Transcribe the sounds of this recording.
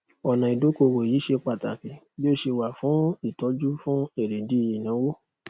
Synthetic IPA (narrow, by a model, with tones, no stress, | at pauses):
ɔ˨nã˨i˨do˨˦ko˧wo˨ji˨˦ʃe˧k͡pa˦˨ta̰˨ki˨ | bi˦o˦˨ʃe˧wa˨fũ˨˦i˦˨tɔ˨˦d͡ʒu˦fũ˦e˦˨ɾe˨di˨˦i˨jã˨˦wo˦